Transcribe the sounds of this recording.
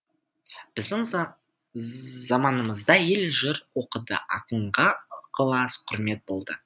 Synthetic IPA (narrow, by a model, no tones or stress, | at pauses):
b̥ɪzd̪ɪŋ | zɑmɑnəməzd̪ɑje̞lʒəɾwo̞qəd̪ə̰ʔɑ̰qəɴʁɑqʰəlˠɑsqʰʊɾme̞t̪̚bo̞lˠd̪ə